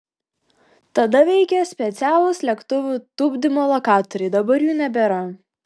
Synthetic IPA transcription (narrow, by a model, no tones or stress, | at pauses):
t̪ɐd̪ɐʋʲɛɪkʲɛsʲpʲɛt̪sʲæːlˠʊslʲɛkt̪ʊʋʲuːt̪ʊbʲd̪ʲɪmoːlˠɐkɑːt̪ɔɾʲɪːd̪ɐbɐɾjuːnʲɛbʲɛɾɐ